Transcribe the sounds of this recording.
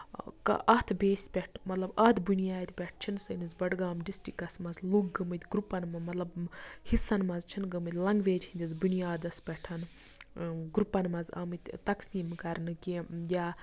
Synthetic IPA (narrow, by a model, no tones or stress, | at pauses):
kɐ̰ʔɐt̪ʰbeːsʲpʲɛʈʰmɐt̪lɐbɐd̪bunijaːd̪ʲpʲɛʈʰt͡ʃʰinsɐnizbɐɖɡaːmɖisʈikɐsmɐzlukɡɐmɨt̪ʲɡɾupːɐnmɐmɐt̪lɐbhisɐnmɐzt͡ʃʰinɡɐmɨt̪ʲlɐŋɡʋeːd͡ʒinʲd̪ʲɐzbunijaːd̪ɐspʲɛʈʰɐn | ɡɾupɐnmɐzɐ̰mɨt̪ʲt̪ɐksiːmkɐɾnɨkijaː